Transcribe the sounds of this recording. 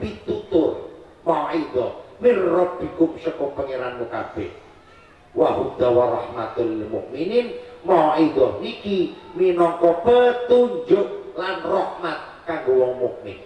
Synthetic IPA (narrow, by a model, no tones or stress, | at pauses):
pit̪ut̪ʊr | maɔʔidɔhminrɔb̚b̥i̤kʊmsəkʊmpəŋeɾanmuka̰b̥ɛ̰h | waɦud̪̥awaɾɑhmat̪lmṵʔmininmɔɔidɔhnikiminɔŋkɔpət̪uɲd͡ʒʊʔlanrɔhmat̪̚kaŋɡowɔŋmuʔmɪ̰n